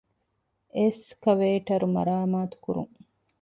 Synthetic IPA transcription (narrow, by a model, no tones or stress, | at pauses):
ʔeskɐʋeːʈɐɾumɐ̰ɾaːmaːt̪u̥kuɾṵŋ